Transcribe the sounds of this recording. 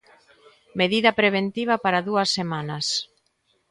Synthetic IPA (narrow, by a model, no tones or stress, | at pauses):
meðiðɐpɾeβ̞ent̪iβ̞ɐpaɾaðuɐsːemanɐs